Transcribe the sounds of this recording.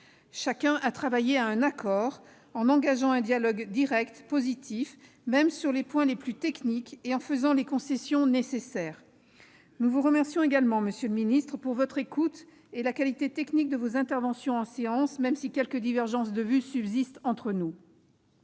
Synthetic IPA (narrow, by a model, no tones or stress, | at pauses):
ʃakʲɛ̃ʔat̪χavajeaɛ̃nakʰɔʁ | ɑ̃nɑ̃ɡaʒɑ̃ɛ̃d̪jalɔɡd̪iʁɛkt̪pozit̪ʰif | mɛmsyʁlepwɛ̃leplyt̪ɛknikeɑ̃fəzɑ̃lekɔ̃sesjɔ̃nesesɛːʁ | nuvuʁəmɛʁsjɔ̃eɡalmɑ̃məsjøləminist̪χəpuʁvɔt̪χekut̪ | elakalit̪et̪ɛknik̚d̪əvozɛ̃t̪ɛʁvɑ̃sjɔ̃ɑ̃seɑ̃smɛmsikʲɛlkəd̪ivɛʁʒɑ̃s̬d̪əvysybzist̪ɑ̃t̪χənu